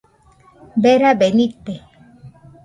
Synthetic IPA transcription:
beɾabenit̪ːe

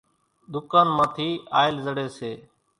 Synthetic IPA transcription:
d̪ʊkaːnmãːt̪ʰiːaːɪlzəɽeːseː

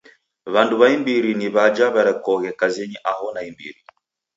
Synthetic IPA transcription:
βanduβaimbiɾiniβad͡ʒaβaɾɛkɔɣɛkazɛɲiʔaɦɔnaimbḭɾi

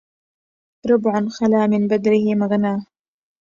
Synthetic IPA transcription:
ɾʊbʕanxalaːmɪnbad̪ɾɪhɪmaɣnaː

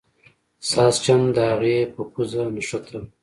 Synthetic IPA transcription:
sɑːst͡ʃand̪əhaɣepəkuzanaʃot̪ʰa

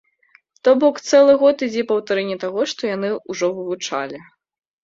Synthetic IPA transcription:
t̪ɔbɔkt̪sɛlˠɨɣɔt̪id͡zʲɛpɐwt̪aɾɛnʲːit̪aɣɔʂt̪ɔjanɨuʐɔvɨvut͡ʂa̰lʲi

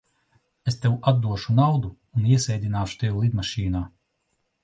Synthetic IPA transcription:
est̪ewad̪ːuɔʃunawd̪uːniɛsɛjd̪ʲinaːʃu̥t̪ewulˠid̪maʃiːnaː

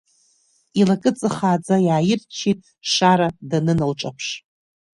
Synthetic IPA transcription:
ilakʼɨt͡sʼɨχaːd͡zajaːjɪrt͡ʃʰitʼ | ʂaɾadanɨnalʈ͡ʂʼapʰʂ

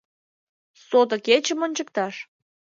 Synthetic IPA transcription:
sot̪ə̆ket͡ɕəmonʲt͡ɕək̚t̪ɑʃ

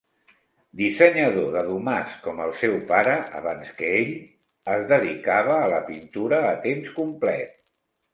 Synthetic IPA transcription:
d̪isəɲəðoðəðumaskɔməlˠsɛwpaɾəʔə̰βanskəeʎ | əzðəðikaβ̞əːləpint̪uɾəːt̪emskumplɛ̰t̪̚

